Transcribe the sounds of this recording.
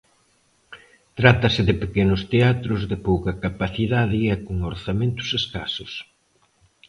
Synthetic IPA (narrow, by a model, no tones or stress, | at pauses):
t̪ɾat̪ɐsɪðɪpekenʊst̪eat̪ɾʊzðɪpowkɐkapaθiðaðɪɛkoŋoɾθamẽnt̪ʊ̥seska̰sʊs